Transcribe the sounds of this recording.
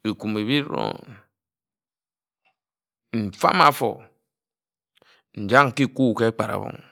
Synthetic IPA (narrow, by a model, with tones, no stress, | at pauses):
i˨ku˨me˨βi˦ɾo̰˦ | m̩˨fa̰˦ma˨fo̰˨ | n̩˨d͡ʒa˦ŋ˨ki˦ku˦˨ke˦k͡pa˨ɾa̰˨βo̰˨ŋ